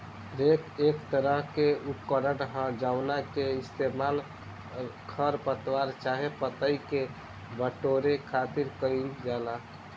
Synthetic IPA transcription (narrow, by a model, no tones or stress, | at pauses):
ɾekeːkt̪əɾəɦkeupkəɾəɽɦə̃d͡ʒaʊnakeɪst̪emaːl | kʰəɾpət̪waɾt͡ʃaːɦepət̪əike | bəʈoɾekʰaːt̪iɾkəɾid͡ʒala